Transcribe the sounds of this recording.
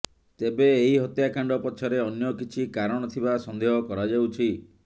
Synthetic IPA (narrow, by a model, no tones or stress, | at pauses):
t̪ebeːɦiɦɔt̪jakaɳɖɔpɔt͡ʃʰɔɾeɔnjɔkit͡ʃʰikaɾɔɽ̃ɔt̪ʰibasɔnd̪eɦɔkɔɾad͡ʒawt͡ʃʰi